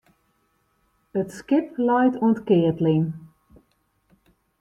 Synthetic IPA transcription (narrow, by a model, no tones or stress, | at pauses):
ətskɪplɔjtʰuəntkɪːətliŋ